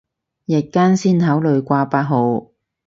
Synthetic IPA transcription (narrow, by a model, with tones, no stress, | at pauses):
jɛ˨˩t̚kːaː˥nsiː˥nhɐ˨˥wlɵ˨˧ɥkʷaː˧paː˧t̚ɦo˨˧w